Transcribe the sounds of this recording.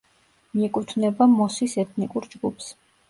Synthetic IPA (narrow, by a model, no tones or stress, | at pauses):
miɛkʼut̪ʰnɛbamɔsisɛt̪ʰnikʼuɾd͡ʒɡupʰs